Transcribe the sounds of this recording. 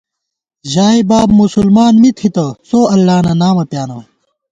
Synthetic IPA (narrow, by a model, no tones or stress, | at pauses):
ʑaːibaːbmusulmaːnmit̪ʰhit̪ɐsoːɐlːaːnanaːmɐpjaːnɐ